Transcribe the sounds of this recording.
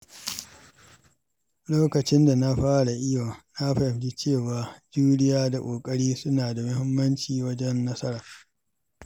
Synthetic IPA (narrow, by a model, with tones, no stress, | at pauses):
loː˦kɐ˨t͡ʃɪ˦nda˨na˦ɸaː˦ɽa˨ʔɪ˦jo˨na˦ɸɐ˨ɸd͡ʒi˦t͡ʃeː˦˨waː˨d͡ʒuː˦ɽɪ˦jaː˦da˨kʷʼoː˨kʼɐ˦ɽiː˦sʊ˦naː˨da˨mʊ˦hɪ˦mːɐ˦nt͡ʃiː˨wɐ˦d͡ʒɛ˦nːɐ˦sɐ˦ɾaː˨